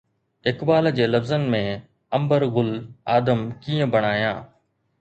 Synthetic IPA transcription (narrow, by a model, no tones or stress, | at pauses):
ɪkbaːld͡ʑeːləfzənmẽː | əmbəɾɣʊlaːd̪əmkiːə̃bəɳaːjã̰ː